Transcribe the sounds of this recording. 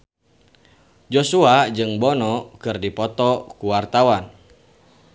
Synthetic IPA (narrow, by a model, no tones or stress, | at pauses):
d͡ʒosuad͡ʒɨŋbɔnɔkɨrdipɔt̪ɔkuwart̪awan